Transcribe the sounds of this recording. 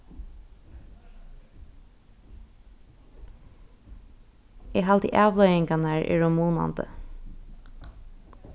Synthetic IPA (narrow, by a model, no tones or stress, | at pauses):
eːɦɑlt̪ɪ̰ʔɑːʋlœʏɪŋkanæːɹʔḛːɹʊmuːna̰nd̪ə̰